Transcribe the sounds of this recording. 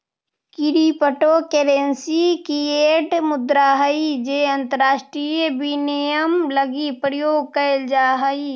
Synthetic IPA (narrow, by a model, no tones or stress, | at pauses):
kiɾipəʈokeːɾensikieːʈmʊd̪ɾaːɦəid͡ʒeːɐ̃nt̪əɾaːʃʈɾijəbinijəmləɡipɾɪjoːɡ̚kəeld͡ʒaːɦəi